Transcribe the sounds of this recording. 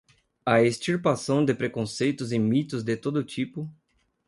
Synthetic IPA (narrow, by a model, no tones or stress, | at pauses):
aest͡ʃiɾpasɐ̃w̃d̪ɪpɾekõsejt̪ʊzẽj̃mit̪ʊzd̪ɪt̪od̪ʊt͡ʃ̪ipʊ